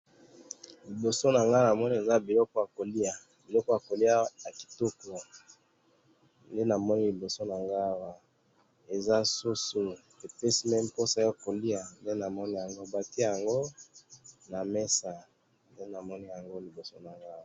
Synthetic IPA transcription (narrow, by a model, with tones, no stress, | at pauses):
li˨bo˨so˦na˨ŋɡa˦na˨mɔ˦ni˦e˨za˦bi˨lɔ˦kɔ˦ja˨ko˨li˦a˨ | bi˨lɔ˦kɔ˦ja˨ko˨li˦a˦a˨ki̥˨to˦ko˨ | nde˦na˨mɔ˦ni˦li˨bo˨so˦na˨ŋɡa˦˨wa˦˨ | e˨za˦su˦su˦ | e˨pe˦si˦mɛ˦m˦po˦sa˨˦jo˦ko˨li˦a˨nde˦na˨mɔ˦ni˦ja˨ŋɡo˦˨ba˦ti˦a˦ja˨ŋɡo˦ | na˨mɛ˦sa˨ | nde˦na˨mɔ˦ni˦ja˨ŋɡo˦li˨bo˨so˦na˨ŋɡa˦wa˨